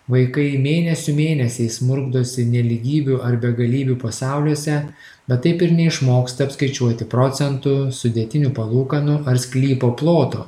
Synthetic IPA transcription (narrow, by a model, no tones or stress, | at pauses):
ʋɐɪkɐɪmʲeːnʲɛsʲʊmʲeːnʲɛsʲɛɪsmʊɾɡd̪oːsʲɪnʲɛlʲiɡʲiːbʲʊʔɐɾbʲɛɡɐlʲiːbʲupɐsɑˑʊlʲuɔsʲɛ | bʲɛt̪tːɐɪpɪɾnʲɛɪʃmoːkst̪ɐɐpskɐɪt͡ʃʲuɔt̪ʲɪpɾɔt̪sʲɛnt̪ʊsʊd̪ʲɛt̪ʲɪnʲupɐlˠuːkɐnʊʔɐɾsʲkʲlʲiːpoːplˠoːt̪o̰ː